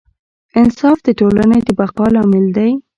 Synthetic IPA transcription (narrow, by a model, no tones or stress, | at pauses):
ɪnsɑfd̪əʈolaned̪əbaqɑlɑmɪld̪aj